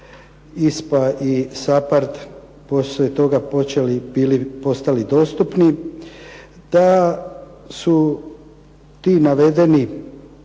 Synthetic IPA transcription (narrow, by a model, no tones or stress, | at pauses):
ispaʔisapaɾt̪ | poslet̪o̞ɡapot͡ʃelibilipo̞st̪alid̪o̞st̪upni | d̪̥a | su | t̪iːnaʋe̞d̪e̞ni